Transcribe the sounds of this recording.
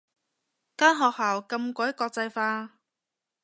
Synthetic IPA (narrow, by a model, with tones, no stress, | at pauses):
kaː˥nɦɔː˨k̚haː˨˩wkɐ˧mkʷɔ˨˥jkɔː˧k̚t͡sɐ˧jfaː˧